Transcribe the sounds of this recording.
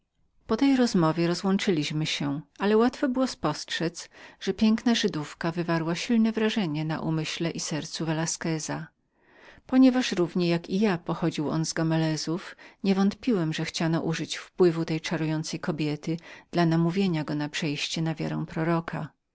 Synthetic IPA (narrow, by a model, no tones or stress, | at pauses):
pɔt̪ɛjɾɔzmɔvʲjɛɾɔzwɔnt͡ʂɘlʲiɕmɘɕɛalɛwat̪fɔbɘwɔspɔstʂɛt̪sʐ̥ɛpʲjɛŋknaʐɘd̪ufkavɘvaɾwaɕilnɛvɾaʐɛɲɛna̰ʔumɘɕlɛʔisɛɾt̪suvɛlaskɛza | pɔɲɛvaʂɾuvɲɛjakijapɔxɔd͡ʑiwɔ̰nzɡɔmɛlɛzufɲɛvɔnt̪pʲiwɛmʐɛxt͡ɕanɔʔuʐɘt͡ɕfpwɘvut̪ɛjt͡ʂaɾujɔnt̪sɛjkɔbʲjɛt̪ɘd̪̥lanamuvʲjeɲaɡɔnapʂɛjɕt͡ɕɛnavʲja̰ɾɛ̰̃w̃pɾɔɾɔkʰa